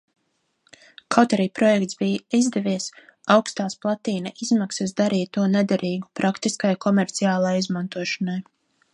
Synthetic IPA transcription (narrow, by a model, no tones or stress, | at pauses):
kawt̪aɾiːpɾɔjɛk̚t̪sbijizd̪ɛviɛsawkst̪aːsplˠat̪iːnaʔizmaksasd̪aɾiːt̪ːuɔnɛd̪aɾiːɡupɾʔakt̪iskajkɔmɛɾt̪siaːlˠajizmant̪uɔʃanaj